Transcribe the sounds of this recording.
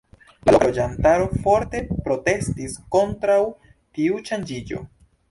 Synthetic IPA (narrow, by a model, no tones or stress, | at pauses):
la̰lod͡ʒantaɾo̞fo̞ɾte̞pɾo̞te̞stisko̞ntɾaw | tiuʃand͡ʒid͡ʒo̞̰